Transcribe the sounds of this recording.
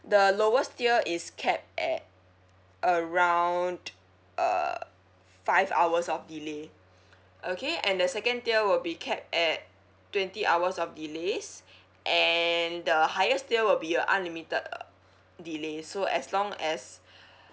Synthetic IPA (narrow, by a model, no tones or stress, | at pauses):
dəloəstiəʔiskʰɛp̚tɛ̰t̚ | ʔəɹãw̃nd | ʔʌ̰ | faɪva̰wəsɔfdile | ʔokʰeɛ̃ndəsɛkə̃ntiəwilbikʰɛp̚tɛt̚ | tːwɛ̃ntiʔawəsɔfdiles | ʔɛndəhajəstiəwilbiə̃ʔã̰nlimitəd | dilesoʔɛ̰slɔ̃ŋɛs